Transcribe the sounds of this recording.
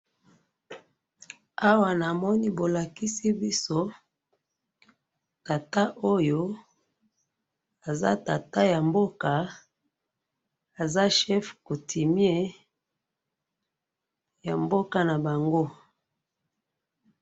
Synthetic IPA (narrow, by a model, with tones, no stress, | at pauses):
a˦wa˨na˨mɔ˦ni˦bo˨la˨ki˦si˦bi˦so˦ | ta˨ta˦ʔo˦jo˦ | a˨za̰˦ta˨ta˦ja˨mbo˦ka˨ | a˨za˦ʃɛ˦fko˨tʰi˨mje˦ | ja˨mbo˦ka˦na˨ba˨ŋɡo˦